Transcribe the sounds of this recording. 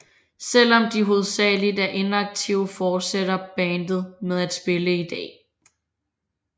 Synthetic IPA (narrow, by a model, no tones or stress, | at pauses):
sel̰ɒ̽md̥iɦo̝ð̞ˠsɛ̰ːlid̥æɐʔe̝nɑ̈ɡ̥̚t͡sʰiʊ̰əfɒːd̥seɾ̥ɐb̥ɛːnd̥ð̞̩ˠmeð̞ˠæd̥sb̥e̝ləid̥ɛ̰ː